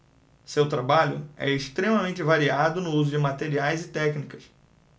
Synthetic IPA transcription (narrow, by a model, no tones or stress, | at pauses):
sewt̪ɾabaʎʊ̰ɛ̰eʃt̪ɾẽmɐmẽnt͡ʃɪvaɾiad̪ʊnʊuzʊd͡ʒɪmat̪eɾiajzɪt̪ɛknikɐs